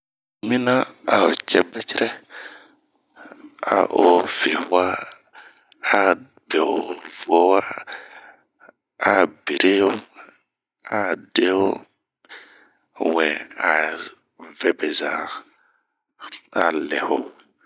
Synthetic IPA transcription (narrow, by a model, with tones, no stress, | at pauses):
mĩ˦nã˦a˨o˨t͡ʃɛ˦bɛ˦t͡ʃi˦ɾɛ˦ | a̰˨ʔo˨fe˨ha˦ | a˦ | bɛ˨o˨vu˨o˦wa˦ | a˨be˨ɾʔe˦o˦ | a˨de˦o˦ | wɛ̃˨a˨ | vɛ˦bɛ˨za˨ | a˨lɛ˨ho˨